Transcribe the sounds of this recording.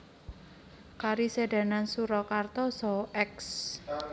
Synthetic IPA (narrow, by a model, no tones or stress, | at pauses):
kaɾised̥a̤nansuɾɔkart̪ɔsɔɛks